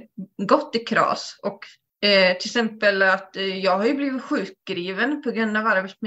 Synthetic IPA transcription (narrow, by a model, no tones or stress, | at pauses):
ɡɔt̪ːɪkʰɾɑ̰ːsʔɔk | t̪ʰɪlsɛmpəlat̪jɑːɡhaɾjɵbliːvɪt̪ɧʉ̟ːk̚ɡ̥ɾiːvənpʰɔɡɾɵnd̪avaɾbeːsm